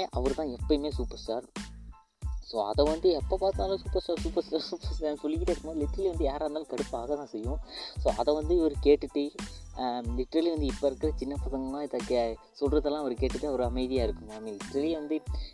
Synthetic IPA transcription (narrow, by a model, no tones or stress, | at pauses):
ʔɐʋɐɾɯt̪ãːɛpːɐmeːsuːpɐɾsʈaːɾ | soːɐ̰ðɐʋɐnd̪ɯɛpːoːpaːɾt̪naːlɯ̃suːpɐɾsʈaːɾsuːpɐɾsʈaːɾsuːpɐsʈaːɾsɔlːɪkʲːɪʈːɐɪɾɯkːɯmːlɪʈːɾɐliʋɐnd̪ɯjaːɾaːnd̪alkɐɽɯpːaːɣɐt̪ãːsɛjːʊ̃soːɐðɐʋɐnd̪ɯʋɐɾɯkeːʈːɯʈːɯ | lɪʈɾɐliʋɐnd̪ɯɪpːɐɪɾɯkːɪɾɐt͡ʃɪnːɐpɐsɐŋɡɐmãːɪðɐke | sɔlrɐðɐlãːɐʋɐɾɯkeːʈːɯʈːɯɐʋɐɾɯɐmɐɪðɪjaːɪɾɯkːɯmaːmːilɪʈɾɐliʋɐnd̪ɯ